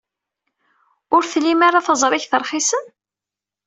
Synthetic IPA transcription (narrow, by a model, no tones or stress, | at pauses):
ʊɾθlimaɾaθɑzˤɾˤɪçθəɾˤχisən